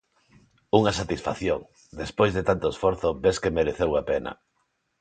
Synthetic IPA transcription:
uŋasat̪isfa̰θjoŋ | d̪espojzðet̪ant̪oesfɔɾθobeskemeɾeθewapenɐ̰

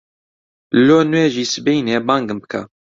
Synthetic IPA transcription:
loːnuweʒiːsɨbejneːbaːŋɡɨmbɨ̥kʰa

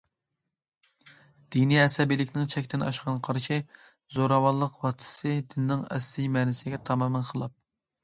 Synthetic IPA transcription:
d̪̥iniɛsɛbijlɪkʲnɪŋt͡ʃʰɛkʲt̪ɪnɑ̰ʃqʰɑnqʰɑɾʃi | zoɾɑwɑnlˠəqwɑt̪ʰɨ̥sɨd̪ɪnnːɪŋɛ̰slijmɛnɪsɪɡʲɛt̪ʰɑmɑmænqʰəlˠɑp̚

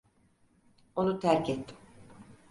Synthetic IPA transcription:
o̞nut̪ʰæɾcʰet̪ʰːi̥m

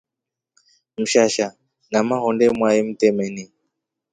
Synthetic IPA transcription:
m̩ʃaʃa | namaɦɔndɛmwaim̩tɛmɛni

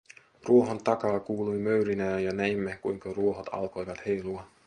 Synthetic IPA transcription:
ruo̞ɦont̪ɑkɑːkuːlujmøɥɾinæːnjɑnæimːekujŋkɑruo̞ɦot̪ʰɑ̰lko̞jʋɑt̪he̞jluɑ

